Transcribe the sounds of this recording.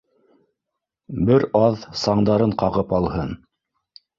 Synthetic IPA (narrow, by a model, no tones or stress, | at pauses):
bɘɾɑðsɑɴd̪ɑɾɤɴqɑʁɤpɑlˠhɤn